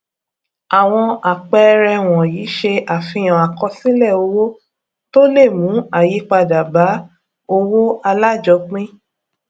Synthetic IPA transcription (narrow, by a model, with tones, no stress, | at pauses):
a˨w̃ɔ̃˧a˨k͡pɛ˧˦˧ɾɛ˧w̃ɔ̃˨jiː˨˦ʃe˧ʔa˨fĩ˧j̃ã˨a˨kɔ˧sĩ˦lɛ˦˨o˧wo˦ | to˦le˦˨mũ˨˦a˨ji˨˦k͡pa˧da˨ba˨˦ | o˧wo˦a˧la˦d͡ʒɔ˨˦k͡pĩ˦